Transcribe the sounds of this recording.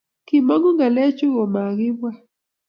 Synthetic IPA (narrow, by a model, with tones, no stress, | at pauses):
ki˨mɔ˦ŋɡɔ˦ŋɡa˨lɛ˦t͡ʃʊ˦ɣɔ˨ma˨ɡɪ˦bwa˦